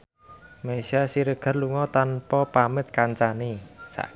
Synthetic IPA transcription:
masiasiɾəɡ̥a̤rluŋɔt̪anpɔpamət̪̚kaɲt͡ʃanisa̰ʔ

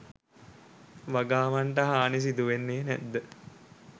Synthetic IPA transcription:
ʋaɡaːʋaɳʈəɦaːnis̬id̪uʋenːeːnɛ̰d̪ːə

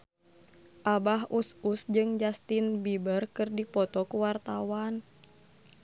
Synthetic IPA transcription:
ʔabaɦususd͡ʒɨŋd͡ʒast̪inbibərkɨrdipɔt̪ɔkuwart̪awan

